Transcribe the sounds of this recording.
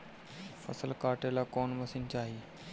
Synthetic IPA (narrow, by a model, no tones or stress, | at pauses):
fə̰səlkaːʈelakɔːnməsint͡ʃaːɦiː